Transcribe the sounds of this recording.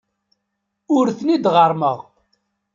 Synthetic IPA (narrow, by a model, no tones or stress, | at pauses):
ʊɾθnid̪ʁəɾˤmə̰ʁ